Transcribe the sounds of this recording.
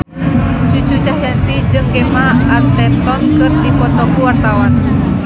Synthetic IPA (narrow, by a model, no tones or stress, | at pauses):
d͡ʒud͡ʒut͡ʃaɦjant̪id͡ʒɨŋkɛmaart̪ɛnt̪ɔnkɨrt̪ipɔt̪ɔkuwart̪awan